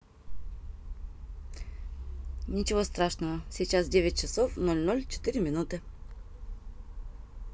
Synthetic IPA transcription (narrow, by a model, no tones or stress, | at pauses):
nʲit͡ʃɛvost̪ɾaʃnəvəsɛt͡ʃazd̪ɛvɛt̪̚t͡ʃɐsɔfnɔlʲnɔlʲt͡ʃɛ̥t̪iɾiminut̪ə